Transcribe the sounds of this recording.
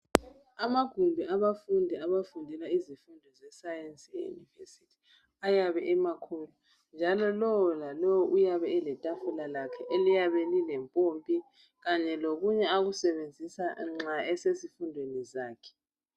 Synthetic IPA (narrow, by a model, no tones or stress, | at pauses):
amaɡ̥ʱumbʱiʔaβafundʱɛaβafundʱilaizifundʱɔzɛsajɛnsʼejṵnivḛsitʰi̥ | ajaβɛʔɛmakʰulu | nd͡ʒʱalɔlɔwɔlalɔwɔʔujaβɛɛlɛtʼafulalakʰɛʔelijaβɛlilɛmpʼompʼi | ɣaɲɛloɣuɲɛaɣusɛβend͡zʱisaŋ͡ǁaɛsezifundʱwenizaːkʰɛ̥